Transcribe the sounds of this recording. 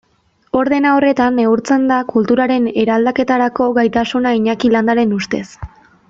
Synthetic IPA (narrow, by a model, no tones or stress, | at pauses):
o̞ɾðe̞nao̞re̞t̪aneuɾt͡se̞nd̪akult̪uɾaɾe̞ne̞ɾald̪ake̞t̪aɾako̞ɣajt̪asunaiɲakiland̪aɾe̞nust̪e̞̰s